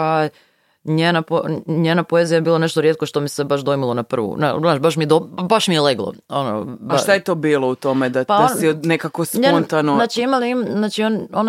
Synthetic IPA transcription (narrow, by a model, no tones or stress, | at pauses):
a | ɲeːnapoɲeːnapoezijajebiːlˠoneʃt̪oɾjet̪̚ko̞ʃt̪omisebaʃd̪ojimilˠonapr̩ʋṵna̰naːt͡ʃbaʃmid̪obaʃmieleɡlˠo̰ | ono̰baaʃt̪ajet̪o̞biːlˠout̪omed̪apansinekakosɲenont̪anonnaːt͡ʃiimaliimznaːt͡ʃionon